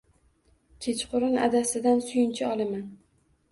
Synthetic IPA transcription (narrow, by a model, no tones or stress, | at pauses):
t͡ʃʲʰet͡ʃqʰʊɾɪna̰d̪asɪd̪ansʊjɪnt͡ʃʰɪɒlˠaman